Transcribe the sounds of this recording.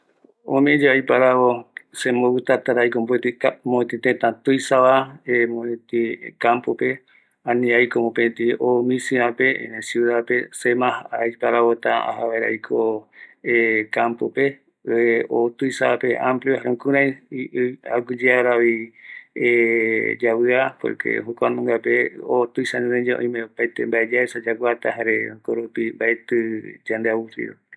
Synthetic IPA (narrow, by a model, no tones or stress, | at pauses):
õ̰mẽd͡ʒeajpaɾaβosẽmoβɨt̪at̪aɾajkombet̪iamot̪ĩt̪ẽt̪ãt̪ujsaβaemõt̪ikampope̞ | ãnĩajkomopẽt̪ĩomĩsĩapesjuðapesemãhaajpaɾaβot̪aa̰haβeɾa̰jkʰoekampope | eot̪ujsapeʔãmpljohaɾẽŋkũɾãjia̰ɡɨd͡ʒeaɾaβi | ed͡ʒawɨapo̰kʰḛɦokʷanũŋɡapeot̪ɨjsaɲĩnẽd͡ʒeʔõ̰j̃mẽopajt̪embaed͡ʒaesad͡ʒaɡwat̪aɦaɾeõkoɾupimbaet̪ɨd͡ʒãnd̪eawuɾḭɾo̰